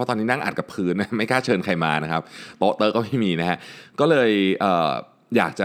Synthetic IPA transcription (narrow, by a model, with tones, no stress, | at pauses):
ɔ˦˥t̪ɔː˧niː˦˥na˥˩ŋʔa̰˨˩t̪̚ka˨˩pʰɯː˦˥nːa˦˥ma˥˩jkʰaː˥˩t͡ɕʰɤː˧nkʰa˧jma̰ː˧na˦˥kʰa˦˥p̚t̪oː˦˥t̪ɤː˧˩kɔː˥˩ma˥˩jmiː˧na˦˥a˦˥ʔkɔː˥˩lɤː˧jʔɤː˨˩ | jaː˨˩k̚t͡ɕa˨˩